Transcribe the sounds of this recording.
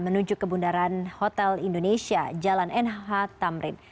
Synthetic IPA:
mənuɲd͡ʒʊkːəbundaɾanhot̪ɛlindonesia̰d͡ʒalanʔɛnɦat̪amɾɪn

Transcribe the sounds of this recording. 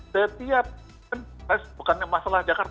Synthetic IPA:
sət̪iap̚ | anbasbukanmasalahd͡ʒakart̪

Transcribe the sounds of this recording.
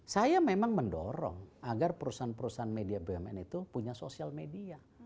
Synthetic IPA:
sajamemaŋməndɔ̰ɾɔ̰ŋaɡarpəɾusanpəɾusaɦanmediabeɛmɛ̰nit̪upuɲasosialmedia

